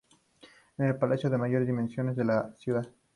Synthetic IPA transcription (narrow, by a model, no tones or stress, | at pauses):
enelpalasjoðemaʝoɾezðimensjo̞nezðelasjuðað